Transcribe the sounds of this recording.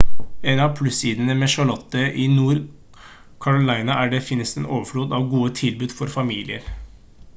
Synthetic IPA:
enɑʋpʰlʉsiːd̪ənəmeːʃɑɭɔt̪ːəʔinuːɾ | kʰɑɾʊlæɪnɑʔæːɖɛfɪnːəst̪ənoːʋəfɽuːd̪ɑːʋɡuːət̪ʰɪlbʉːd̪fɔɾfɑmiːlɪə̰ɾ

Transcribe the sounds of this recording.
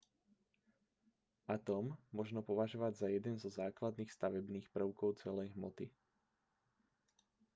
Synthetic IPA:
at̪ɔmːɔʒnɔpɔʋaʒɔʋaɟzajɛd̪ɛnzɔzaːklad̪niːxst̪aʋɛbniːxpr̩ʊkɔʊt͡sɛlɛjɦmɔt̪i

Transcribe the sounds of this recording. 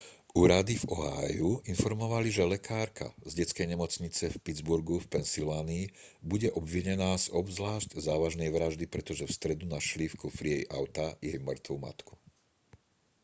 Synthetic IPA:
ʔuːɾad̪ivɔɦa̰juinfɔɾmɔʋaliʒɛlɛkʰaːɾkʰa̰zɟɛt͡skɛjɲɛmɔt͡sɲit͡sɛfpid͡zbuɾɡufpɛnsilʋaːniː | buɟɛʔɔbʋiɲɛnaːzɔbzlaːʃczaːʋaʒnɛjʋɾaʒd̪ipɾɛt̪ɔʒɛfst̪ɾɛd̪unaʃlifkufɾiɛjʔa̰ʊt̪ajɛjmr̩t̪ʋuːma̰t̪ku̥

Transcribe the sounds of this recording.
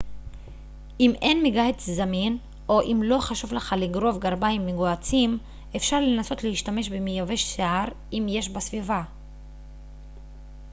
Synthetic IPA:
ʔime̞nmiɡaet͡szamin | ʔo̞ʔimlo̞χaʃuvleχaliɡʁo̞vɡaʁbaimːiɡoat͡sim | e̞fʃaʁle̞naso̞t̪lehiʃtame̞ʃbemijave̞ʃseaʁ | imje̞ʃ̬basviva

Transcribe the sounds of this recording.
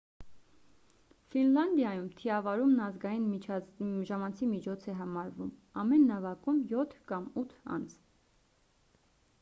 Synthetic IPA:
finlɑnd̪jɑjumt̪ʰiɑvɑɾumnɑzɡɑjin | ʒɑmɑnt͡sʰimit͡ʃʰɔt͡sʰɛɦɑmɑɾvumɑmɛnːɑvɑkumjɔt̪ʰkɑmut̪ʰɑ̰nt͡sʰ

